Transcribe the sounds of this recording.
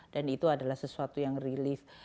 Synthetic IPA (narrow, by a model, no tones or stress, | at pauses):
d̥anit̪uadalahsəsuat̪ujaŋrilif